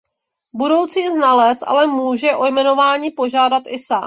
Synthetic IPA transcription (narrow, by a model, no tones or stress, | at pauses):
budo̞wt͡siːznalɛt͡sʔa̰lɛmuːʒɛʔo̞jmɛno̞vaːɲiːpo̞ʒaːdat̪ʔɪsaː